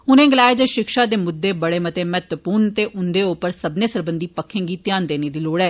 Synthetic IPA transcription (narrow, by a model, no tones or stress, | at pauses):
ʊnẽːɡɪlaːeːd͡ʒəʃɪkʃaːd̪eːmʊd̪ːeːbəɽeːmət̪eːmɛːt̪əpuːɾnt̪eːʔʊnd̪eːʊpəɾsəbnẽːsəɾbənd̪iːpəkʰːẽːŋɡiːt̪ɪjaːnd̪eːneːd̪iːloːɽɛː